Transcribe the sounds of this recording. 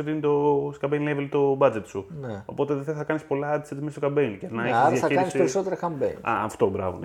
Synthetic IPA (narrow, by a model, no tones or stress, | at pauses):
et̪init̪o̞skɐbenlevelt̪o̞bɐd͡zet̪suneopo̞t̪eðeðeθɐkɐnispo̞lɐɐt̪isɐt̪imist̪okɐbeincenɐeçizðjɐiɾɐinisieɾisot̪eɾɐkɐmbeɐ̰ɐft̪o̞bɾɐ̰vo̰